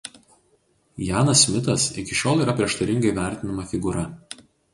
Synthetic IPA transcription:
jɑːnɐsmʲɪt̪ɐsɪkʲɪʃʲoːlˠiːɾɐpʲɾʲiɛʃt̪ɐɾʲɪŋɡɐɪʋʲæˑɾʲt̪ʲɪnɐmɐfʲɪɡʊɾɐ

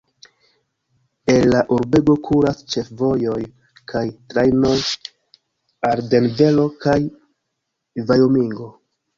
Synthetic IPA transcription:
enlaʔuɾbe̞ɡo̞kʰuɾast͡ʃe̞fvo̞jo̞j | kʰajtɾajno | aɾde̞nve̞lo̞kaj | vajomiŋɡo̞

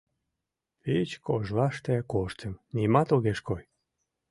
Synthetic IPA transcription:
it͡ɕkoʒlɑʃt̪ekoʃt̪əmnimɑt̪oɣeʃkoj

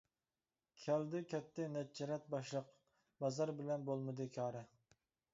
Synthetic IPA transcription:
kʲʰɛld̪ɪkʲʰɛt̪ʰːɪnɛt͡ʃːɛɾɛt̪̚bɑʃlˠəq | bɑzɑɾbɪlɛnbolˠmɨd̪ɨkʲʰɑːɾɛ

